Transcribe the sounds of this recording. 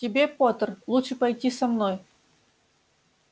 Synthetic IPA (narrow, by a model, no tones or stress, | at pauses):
tʲɪbʲepot̪ərlˠutʂɨpɐjtʲisɐmnoj